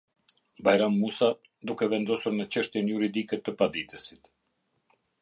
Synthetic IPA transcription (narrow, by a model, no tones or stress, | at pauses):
bajɾamːusa | d̪ukɛvɛnd̪ɔsuɾnət͡ʃəʃt̪jɛnjuɾid̪ikɛt̪əpad̪it̪ɛsi̥t̪